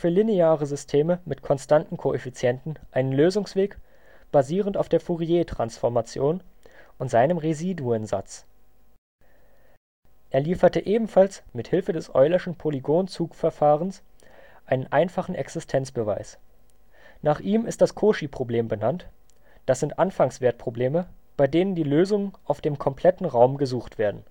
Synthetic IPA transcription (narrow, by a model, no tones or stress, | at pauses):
fyːɐlineaːʁəzʏstʰeːməmɪtkʰɔnstantn̩kʰoʔefit͡sjɛntn̩ʔaɪnənløːzʊŋsv̥eːk | b̥aziːʁənta̰ʊfd̥eːɐfuʁieːtʁ̥ansfɔɐmat͡sjoːnʔʊntz̥aɪnəmʁeziːduənza̰t͡s | ʔeːɐliːfɐtəʔeːbm̩falsmɪthɪlfədɛsʔɔ̰ʏlɪʃn̩pʰoliɡoːnt͡suːkfɛɐfaːʁənsʔaɪnənʔaɪnfaχn̩ʔɛ̰ksɪstʰɛnt͡sb̥əva̰ɪs | naːχʔiːmɪstd̥askʰoːʃipʁ̥obleːmbənant | d̥asz̥ɪntʔanfaŋsv̥eːɐt̚pʁ̥obleːmə | b̥aɪdeːnəndiːløːzʊŋənʔaʊfd̥eːmkʰɔmpʰl̥ɛtn̩ʁaʊmɡəzuːχtv̥eːɐdn̩